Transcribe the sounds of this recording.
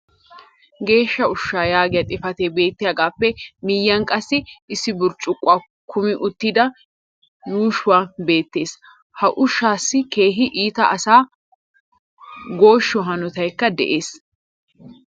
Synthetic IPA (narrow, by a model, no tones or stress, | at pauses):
ɡe̞ːʃːɐʊʃːaːjaːɡɪjɐt̪ʼɪfɐt̪ebe̞ːt̪ːɪjaːɡaːpːɛmɪjːɐŋkʼɐsːɪɪsːɪbʊɾt͡ʃʼʊkʼːʊaː | kʰʊmɪʔʊt̪ːɪd̪ɐ | juːʃʊwaːbe̞ːt̪ːe̞ːs | hɐʔʊʃːaːsːɪke̞ːɦɪʔiːt̪ɐʔɐsaː | ɡo̞ːʃːɔɦɐnɔt̪ɐjkːɐd̪ɛ̰ʔeːs